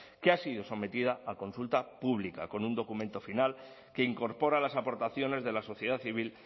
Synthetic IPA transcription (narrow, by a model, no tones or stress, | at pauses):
keasið̞o̞so̞me̞t̪ið̞aako̞nsult̪apuβlika̰ko̞nund̪o̞kumẽ̞nt̪o̞final | ke̞iŋko̞ɾpo̞ɾalasapo̞ɾt̪aθjo̞ne̞zðe̞laso̞θjeðaθiβ̞il